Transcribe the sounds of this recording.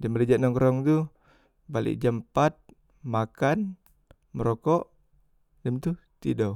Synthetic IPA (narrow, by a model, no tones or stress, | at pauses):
damələd͡ʒaʔnɔŋkɾɔŋt̪u | balḭʔd͡ʒampat̪̚ | makan | məɾɔkɔʔ | dəmt̪u | t̪idɔ